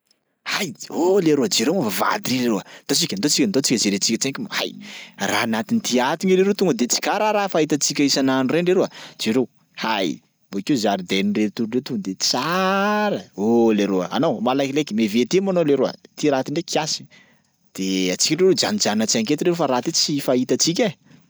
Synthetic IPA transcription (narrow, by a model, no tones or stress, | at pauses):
hajoleɾod͡ʒeɾewmavava̰d̪iɾeɾeɾoat̪ot͡sikʲənt̪ot͡sikʲant̪ot͡sikʲəzeɾet͡sikʲət͡sekimha̰jra̰nat̪init̪iat̪iŋiɾeɾewt̪uŋɡəd̪et͡si̥kaɾaɾafaɦit̪at͡sikʲaisananuɾeɳɖ͡ʐeɾead͡ʒeɾew | haj | bokezaɾid̪enireɾt̪uɾuɳɖ͡ʐewt̪uɡəd̪et͡saɾəoleɾoə̰a̰nowmalajkilekʲimevet̪emanoleɾowa̰t̪iɾat̪iɳɖ͡ʐekʰiasi̥ | d̪̥eat͡si̥kʲiɳɖ͡ʐeɾed͡ʒanid͡ʒannat͡siaŋket̪inɾeɾofaɾaːt̪it͡sifait̪at͡sik̬ʲə